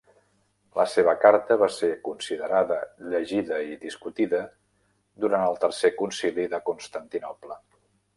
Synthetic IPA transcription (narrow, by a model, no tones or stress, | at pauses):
lʔəseβ̞əkaɾt̪əβasekunsiðəɾaðəʎəʒiðəiðiskut̪iðə | d̪uɾanəlˠt̪ərsekunsiliðəkunst̪ənt̪inɔplə